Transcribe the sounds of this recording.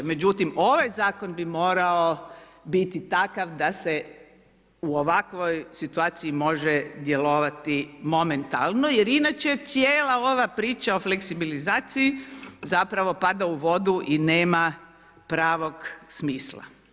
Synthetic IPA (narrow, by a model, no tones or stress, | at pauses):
me̞d͡ʒut̪imo̞ʋajzaːkonbimo̞ːɾao | bit̪it̪akaʋd̪ase | uoʋakʋojsit̪uaːt̪siimo̞ʒed̪jelo̞ʋat̪imo̞ment̪a̰lˠno̞jeɾinat͡ʃet̪sjeːlˠao̞ʋapɾiːt͡ʃao̞fleksibilizaːt̪siizapɾaʋo̞pad̪auʋo̞d̪uʔineːma | pɾaːʋo̞ɡsmiːslˠa̰